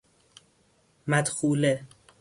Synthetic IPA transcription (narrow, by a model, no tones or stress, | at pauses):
mæd̪xuːle